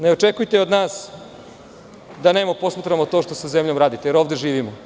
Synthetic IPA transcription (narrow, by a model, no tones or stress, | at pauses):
neot͡ʃekujt̪eo̞d̪naːs | d̪aneːmapo̞smat̪ɾamot̪oʃt̪o̞sazemʎomɾaːd̪it̪ejeɾo̞ːʋd̪eʒiːʋimo